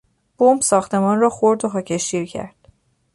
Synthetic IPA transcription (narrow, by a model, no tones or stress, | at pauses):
b̥ombsɒːxt̪ʰe̞mɒːnrɒːxoɾd̪oɦɒːcʰeʃiːɾcʰæ̰ɾd̪̥